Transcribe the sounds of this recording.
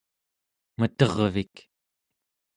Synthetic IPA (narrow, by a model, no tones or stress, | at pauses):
mət̪ʌʁvik